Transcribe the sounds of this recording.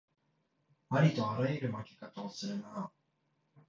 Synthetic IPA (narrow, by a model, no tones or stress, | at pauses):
aɾʲit̪o̞aɾaiɾɯ̟maɡʲi̥kat̪oːsɨɾɯna